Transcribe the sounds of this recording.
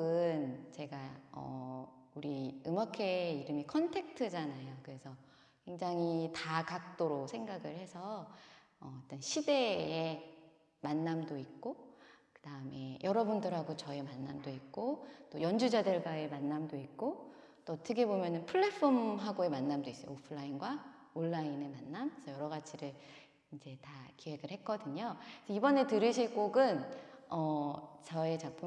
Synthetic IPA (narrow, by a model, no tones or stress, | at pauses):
ɯnt͡ɕe̞ɡaʌ̰ | uɾiɯmakʰe̞iɾɯmikʰʌntʰe̞k̚tʰɯd͡ʑanajokɯɾe̞sʰʌ | kwe̞ŋd͡ʑaŋitakak̚t͈oɾosʰe̞ŋɡaɡɯɭhe̞sʰʌ | ʌt͈ʌnɕʰide̞e | manːamdoik̚k͈okɯd̥aɯme̞jʌɾʌbundɯɾɦaɡot͡ɕʌe̞manːamdoik̚k͈ot͈ojʌnd͡ʑud͡ʑadɯɭɡwae̞manːamdoik̚k͈o | t͈oʌtʰɯkʰe̞bomjʌnɯnpʰɯɭːe̞pʰʌmɦaɡoe̞manːamdois͈ʌjo̰opʰɯɭːainɡwa | oɭːaine̞manːamsʰʌjʌɾʌɡat͡ɕʰiɾɯɭ | ind͡ʑe̞takiwe̞ɡɯɭhe̞k͈ʌdɯɲosʌibʌne̞tɯɾɯɕʰiɭk͈oɡɯnʌt͡ɕʌe̞t͡ɕapʰɯ